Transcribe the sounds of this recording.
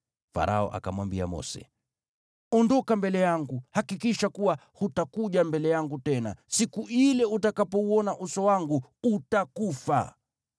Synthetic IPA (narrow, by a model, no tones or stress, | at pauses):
fa̰ɾʔaɔ̰ʔa̰kamwambia̰mɔ̰sɛ̰ | ɔndɔkambɛlɛjaŋɡuhakikiʃakuwahutakuʄambɛlɛjaŋɡutɛna̰sikuilɛutakapɔuɔnaʔusɔwaŋɡuutakufa̰